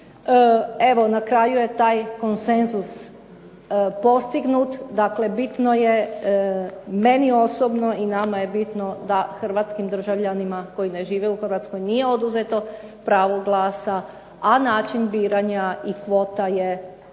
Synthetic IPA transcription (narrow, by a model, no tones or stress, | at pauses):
e̞ʋo̞nakɾaːjuje̞t̪aːjko̞nsenzus | po̞st̪iɡnut̪d̪akle̞bit̪no̞je̞ | me̞nio̞sobnoinamaje̞bit̪no̞d̪axr̩ʋat̪skimd̪r̩ʒaʋʎanimako̞jine̞ʒiːʋeuxrʋat̪sko̞jnije̞o̞d̪uzet̪o̞pɾaːʋo̞ɡlˠaːsa | anaːt͡ʃinbiːɾaɲaikʋo̞ːt̪aje